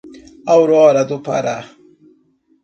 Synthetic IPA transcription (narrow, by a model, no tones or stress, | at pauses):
awɾoːɾad̪upa̰ɾa